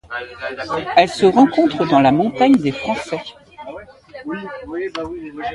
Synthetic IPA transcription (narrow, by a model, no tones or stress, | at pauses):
ɛlsəʁɑ̃kɔ̃t̪χəd̪ɑ̃lamɔ̃t̪aɲd̪efχɑ̃sɛ